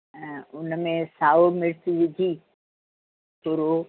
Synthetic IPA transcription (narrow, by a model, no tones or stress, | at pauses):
ʊnmẽsaːʋomɪɽt̪iʋɪd̪ʱi | tʊɾo